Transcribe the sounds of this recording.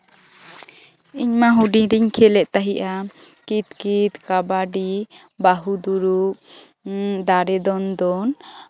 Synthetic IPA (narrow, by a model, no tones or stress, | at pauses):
iɲmaɦuɖiɾiɲkʰɛlɛʔt̪aɦiʔa | kit̪kit̪kabaɖi | baɦud̪uɾuʔ | d̪aɾɛd̪ɔnd̪ɔn